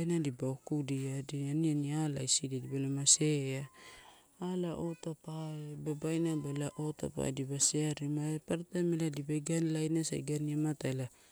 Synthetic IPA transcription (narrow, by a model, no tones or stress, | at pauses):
jnadibaokudiadianianiala̰isididibalamaseaː | laʔot̪apaebabajnabalaʔot̪a̰pa̰dibaseaɾimaepaɾat̪ameladibaɡanlajnasa̰jɡaniamat̪aela